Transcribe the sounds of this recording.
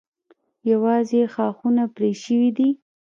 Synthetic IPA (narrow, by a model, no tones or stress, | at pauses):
jawɑzexɑxunapɾeʃəwid̪i